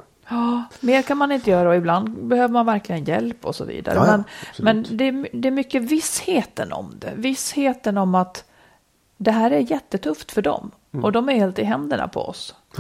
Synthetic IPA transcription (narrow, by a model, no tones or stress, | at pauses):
ɑːmeːɾkʰanmanɪnt̪əjœːɾaɔɪbland̪bɛhøːvəɾmanvæɾklɪɡənjɛ̰lpːɔsɔ̰vḭːd̪a̰ɾəmɛnmɛnd̪ɛːmd̪ɛːɾmʏkːəvɪsheːt̪ənɔ̰md̪ɛ̰vɪsheːt̪ənɔmat̪ | d̪ɛɦæːɾæɾjɛt̪ːət̪ʰɵft̪fœɖɔ̰m | ʔɔd̪ɔmæɾheːlt̪ɪɦɛnd̪əɳa̰pʰɔ̰ɔ̰s